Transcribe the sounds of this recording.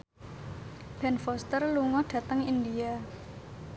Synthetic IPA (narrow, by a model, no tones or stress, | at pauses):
b̥ɛnfɔst̪ərluŋɔɖ̥ä̤t̪əŋind̪ia